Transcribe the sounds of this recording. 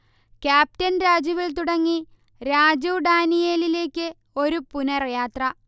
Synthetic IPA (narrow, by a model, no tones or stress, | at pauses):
kʲaːp̚tɐnɾaːd͡ʑjɐʋilt̪uɽɐŋːi | ɾaːd͡ʑuʋɖaːnijeːlile̞ːkʲːɨ | o̞ɾupunɐrjaːt̪rɐ